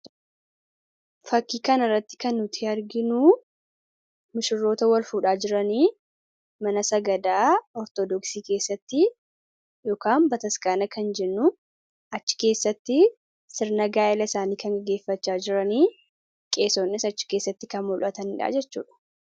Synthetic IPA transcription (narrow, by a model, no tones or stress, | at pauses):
fɐkːiːkɐnɐrːɐt̪ːɪ̥kɐnːʊt̪ʰɪɐɾɡɪnuː | mɪʃɪrːo̞ːt̪ɐwɐlfuːᶑaːd͡ʒɪɾɐniː | mɐnɐsɐɡɐd̪aːɔɾt̪ɔd̪ɔksiːke̞ːsːɐt̪ːɪ | joːkaːmbɐt̪ɐskaːnɐkɐnd͡ʒɛnːʊ | ɐt͡ʃːɪ̥ke̞ːsːɐt̪ːɪ | sɪɾnɐɡaːʔɪlɐɪsaːniːkɐŋɡɐɡe̞ːfːɐt͡ʃːaːd͡ʒɪɾɐniː | kʼe̞ːsonːɪsɐt͡ʃːɪ̥ke̞ːsːɐt̪ːɪkɐnmʊlʔɐt̪ɐnɪᶑa̰ːd͡ʒɛt͡ʃːṵːᶑɐ̥